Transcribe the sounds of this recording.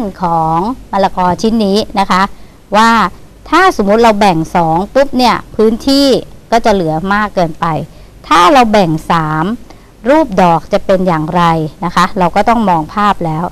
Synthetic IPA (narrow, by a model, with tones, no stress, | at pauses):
nkʰɔː˩˦ŋma˧la˧kɔː˧t͡ɕʰi˦˥nːiː˦˥na˦˥kʰa˦˥ʔ | waː˥˩ | t̪ʰaː˥˩so˨˩˦mːu˦˥t̪̚ɾa˧wbɛ˨˩ŋsɔː˩˦ŋpu˦˥p̚ni˥˩ɐpʰɯː˦˥nt̪ʰiː˥˩kɔː˥˩t͡ɕa˨˩lɯ˩˦ɐmaː˥˩kːɤː˧npa˧j | t̪ʰaː˥˩ɾa˧wbɛ˨˩ŋsaː˩˦m | ɾuː˥˩p̚dɔː˨˩k̚t͡ɕa˨˩pe˧njaː˨˩ŋɾa˧jna˦˥kʰa˦˥ɾa˧wkɔː˥˩t̪ɔ˥˩ŋmɔː˧ŋpʰaː˥˩p̚lɛː˦˥w